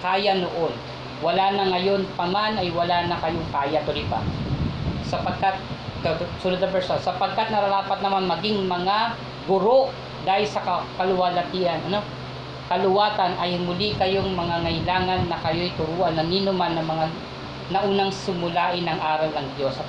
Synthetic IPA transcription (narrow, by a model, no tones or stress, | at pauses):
kaːjɐnoʔon | wɐlanɐŋɐjo̞npɐmanɐjwɐlaːnɐkɐjoŋkaːjɐpʊlibɐ̰ | sɐpɐɡ̚kat̪̚kɐsʊnod̪ɐbɛsɐsɐpɐɡ̚kat̪̚nɐɾɐɾaːpɐt̪nɐmanmɐɡiŋmɐŋa | ɡʊɾo̞ʔ | d̪aːhɪlsɐkɐkɐlʊwaːlɐt̪iʔɐnɐno̞ | kɐlʊwaːt̪ɐnʔɐjmʊlikɐjoŋmɐŋaŋɐjlaːŋɐnːɐkɐjo̞jt̪ʊɾuːʔɐnːɐniːnʊmanːɐmɐŋa | nɐʔuːnɐŋsɪmʊlaːʔɪnɐŋʔaːɾɐlɐŋd̪jo̞s